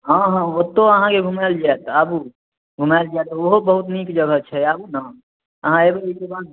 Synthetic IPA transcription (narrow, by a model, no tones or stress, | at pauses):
ɦə̃ɦãot̪ːoəɦãkebʱumald͡ʒaet̪əbu | bʱumald͡ʒaet̪ɔoɦobəɦut̪nikd͡ʒəɡʱət͡ʃʰɛabunã | əɦãebeikebad̪